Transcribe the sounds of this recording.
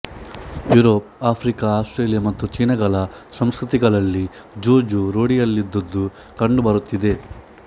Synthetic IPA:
juːɾoːp̚aːpʰɾikaaːsʈɾe̞ːlijɐmɐt̪ːut͡ʃiːnɐɡɐɭɐsɐmskɾut̪iɡɐɭɐlːi | d͡ʒoːd͡ʒuɾoːɽijɐlːid̪ːɐd̪ːu | kɐɳɖubɐɾut̪ːid̪e̞

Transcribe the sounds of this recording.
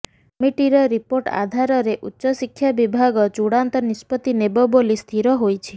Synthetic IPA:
miʈiɾɔɾipoɾʈa̰d̪ʱaɾɔɾeʔutːʃɔsikʰːjabibʱaɡɔt͡ʃuɽant̪ɔnispɔt̪inebɔbolist̪ʰiɾɔɦojt͡ʃʰi

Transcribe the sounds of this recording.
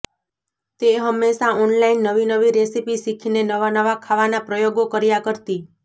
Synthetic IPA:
t̪eɦəmːeʃaɔnlainːəʋinəʋiɾesipisikʰinenəʋanəʋakʰaʋanapɾəjoɡokəɾjakəɾt̪i

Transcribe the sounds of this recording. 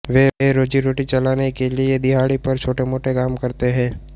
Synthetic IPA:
ʋeeɾoːd͡ʒiɾoːʈit͡ʃɐlaːnekelied̪ɪɦaːɽipɐɾt͡ʃʰoːʈemoːʈekaːmkɐɾt̪eɦɛ̃ː

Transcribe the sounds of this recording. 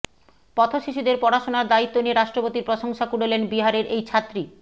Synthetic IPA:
pɔt̪ʰoʃiʃud̪eɾpɔɾaʃonaɾd̪ait̪ːonieɾaʃʈɾopot̪iɾpɾoʃoŋʃakuɽelenbiɦaɾeɾejt͡ɕʰat̪ːɾi

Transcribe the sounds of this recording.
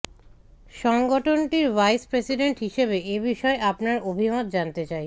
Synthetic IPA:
ʃɔŋɡoʈʰonʈiɾvajspɾesiɖeɳʈɦiʃebeebiʃɔeʔapnaɾobʱimot̪̚d͡ʑant̪et͡ɕaj

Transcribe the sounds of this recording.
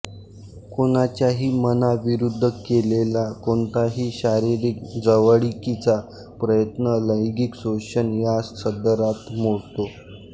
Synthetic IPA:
koñat͡ɕjaɦiːmənaʋiɾud̪ʱːəkelelakoɳt̪aɦiːɕaɾiɾik̚d͡zəʋəɽikit͡sa | pɾəjət̪nələjɡiksoɕənjassəd̪əɾat̪moɽt̪o

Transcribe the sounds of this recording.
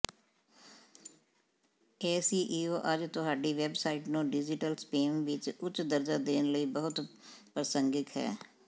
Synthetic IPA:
ɛːsiːʔiːoːʔəd͡ʒt̪ʊɦaːɖiːʋɛbsaːiːʈnũːɖɪd͡ʒɪʈəlspeːmʋɪt͡ʃʊt͡ʃd̪əɾd͡ʒaːd̪eːnləiːbəɦʊt̪pəɾsəŋɡɪkɦɛ̰ː

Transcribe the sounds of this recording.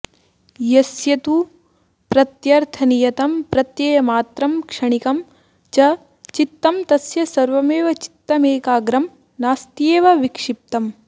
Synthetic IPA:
jɐsjɐt̪u | pɾɐt̪jɐɾt̪ʰɐnijɐt̪ɐmpɾɐt̪jeːjɐmaːt̪ɾɐmkʂɐɳikɐm | t͡ʃɐ | t͡ʃit̪ːɐmt̪ɐsjɐsɐɾʋɐmeːʋɐt͡ʃi̥t̪ːɐmeːkaːɡɾɐm | naːst̪jeːʋɐʋikʂip̚t̪ɐm

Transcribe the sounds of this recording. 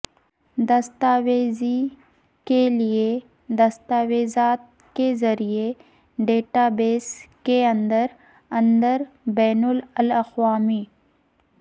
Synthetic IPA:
d̪ɐst̪aːʋeːzi | kelie | d̪ɐst̪aːʋeːzaːt̪̚ | kezɐɾije | ɖeːʈaːbeːskeɐ̃nd̪əɾ | ɐ̃nd̪əɾ | bɛːnʊləlɐxwaːmiː

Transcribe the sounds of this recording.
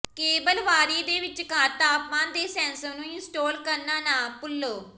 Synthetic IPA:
keːbəlʋaːɾiːd̪eːʋɪt͡ʃkaːt̪aːpmãːnd̪eːsɛːnsəmnũːɪnsʈoːlkəɾnaːnaːpʊlːoː

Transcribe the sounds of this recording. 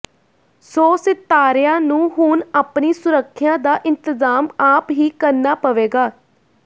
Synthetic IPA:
soːsɪt̪ːaːɾɪjãːnũːɦʊnaːpniːsʊɾəkʰːɪjãːd̪aːʔɪnt̪əzaːmaːpɦiːkəɾnaːpəʋeːɡaː

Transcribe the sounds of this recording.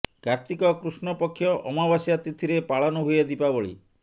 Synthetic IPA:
kaɾt̪ikɔkɾusnɔpɔkʰːjɔʔɔmabasjat̪it̪ʰiɾepaɭɔnɔɦujed̪ipaboɭḭ

